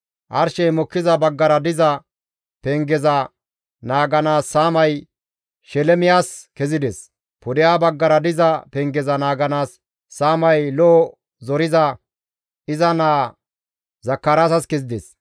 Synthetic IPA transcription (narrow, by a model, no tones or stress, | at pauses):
ʔɐɾʃɛjmɔkːɪzɐbɐɡːɐɾɐd̪ɪzɐ | pɛŋɡɛzɐ | naːɡɐnaːsːaːmɐj | ʃɛlɛmɪjaːskɛzɪd̪es | pʊd̪ɪjaːbɐɡːɐɾɐd̪ɪzɐpɛŋɡɛzɐnaːɡɐnaːsː | aːmɐjloː | zɔɾɪzɐ | ɪzɐnaː | zɐkːɐɾaːsɐskɛzɪd̪ḛːs